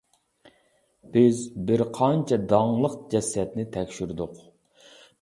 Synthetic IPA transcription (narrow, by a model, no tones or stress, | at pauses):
b̥ɪzbɪɾqʰɑnt͡ʃʰɛd̪ɑŋlˠəqd͡ʒɛsɛt̪nɪt̪ʰɛkʲʃyɾd̪ʊq